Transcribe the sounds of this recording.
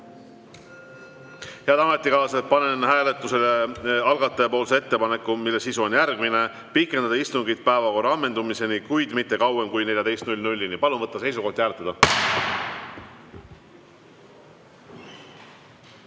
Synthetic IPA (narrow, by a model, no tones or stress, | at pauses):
heɑd̪ɑɑme̞t̪ːˑikɑːset̪pɑne̞nhæːle̞t̪ːˑuse̞leɑlɡ̥ɑt̪ːˑepo̞ːlsee̞t̪ːe̞pɑnekːumilːesisuo̞njærɡ̥mine̞ | pikːˑe̞nd̪ɑd̪ɑist̪uŋɡid̪̥̚pæevɑko̞rːɑɑmːe̞nd̪umise̞nikujd̪̥mit̪ːe̞kɑwemkujne̞lʲjɑd̪ejst̪nulʲnulʲːinipɑlunvɤt̪ːɑse̞js̬uko̞ht̪jæːlet̪ːˑɑd̪̥ɑ